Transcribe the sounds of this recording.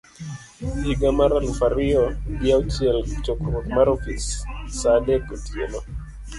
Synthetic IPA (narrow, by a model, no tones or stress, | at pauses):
iɡamaɾalufaɾiɔɡiawt͡ʃiɛlt͡ʃɔkɾutmaɾɔfisːadɛkɔtiɛlɔ